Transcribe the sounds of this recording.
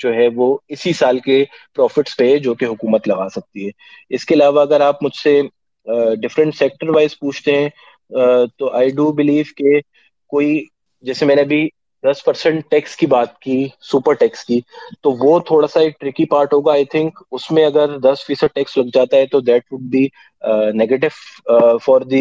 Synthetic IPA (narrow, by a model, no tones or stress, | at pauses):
d͡ʒoːɦɛʋoɪsisaːlkepɾɔːfɪʈsped͡ʒoːkeɦʊkuːmət̪lɐɡaːsɐk̚t̪iɦɛː | ɪskeɐlaːʋaɐɡəɾaːpmʊd͡ʒʱse | ɖɪfɾə̃ɳʈsɛːk̚ʈəɾʋaːɪzpuːt͡ʃʰt̪eɦɛ̃ | t̪oʔaːɪɖubɪliːʋke | koːi | d͡ʒɛːsemɛːneɐbʱi | d̪ɐspɐɾsɛ̃ɳʈ̚ʈɛkskibaːt̪̚kisuːpəɾʈɛːkskiːt̪oʋot̪ʰoːɽasaiʈɾɪkipaːɾʈɦoːɡaːɪt̪ʰɪ̃ŋkʊsmẽɐɡəɾd̪ɐsfiːsəɖ̚ʈɛːkslɐɡd͡ʒaːt̪aɦɛt̪od̪ɛːʈʋʊɖ̚bi | neːɡeːʈ̬ɪʋfɔːɾd̪i